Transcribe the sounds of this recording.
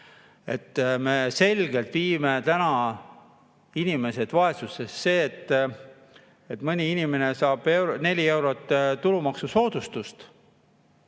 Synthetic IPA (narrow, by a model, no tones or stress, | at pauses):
e̞̰t̪ːme̞se̞lʲɡ̥e̞lt̪viːme̞t̪ænɑ | inime̞se̞d̪̥vɑe̞suse̞sse̞ːt̪ːˑ | et̪ːmɤnʲiinʲime̞ne̞sɑːb̥e̞wɾne̞lʲie̞wɾo̞t̪ːt̪ulumɑksuso̞ːd̪̥ust̪ust̪